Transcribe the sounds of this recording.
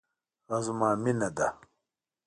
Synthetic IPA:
ɐzumaːminɐd̪a

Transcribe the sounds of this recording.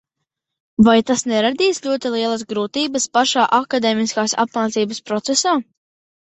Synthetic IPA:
vajt̪asnɛɾad̪iːsʎʲuɔt̪ilˠiɛlˠasɡɾuːt̪iːbəspaʃaːʔakad̪eːmiskaːsa̰p̚maːt̪siːbəspɾɔt̪sesaː

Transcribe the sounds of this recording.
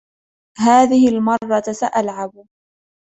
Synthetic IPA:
ɦaːðɪhɪlmɑrˤːɑsaʔalʕab

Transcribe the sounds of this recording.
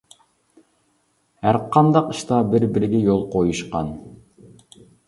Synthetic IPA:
hæɾqʰɑnd̪ɑqiʃt̪ɑbɪɾbɪɾɪɡʲɛjolˠqʰojuʃqɑ̰n

